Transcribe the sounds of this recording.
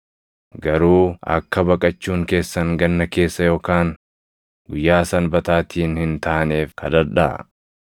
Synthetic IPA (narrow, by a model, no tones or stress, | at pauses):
ɡɐɾuːɐ̰kːɐbɐkʼɐt͡ʃːuːŋke̞ːsːɐŋɡɐnːɐke̞ːsːɐjo̞ːkaːŋ | ɡʊjːaːsɐnbɐt̪aːt̪ʰiːnhɪnt̪aːne̞ːfkʰɐd̪ɐɾᶑɐ̰